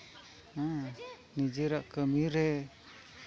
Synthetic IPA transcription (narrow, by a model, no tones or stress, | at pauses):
a | nid͡ʒiɾaʔkəmiɾɛ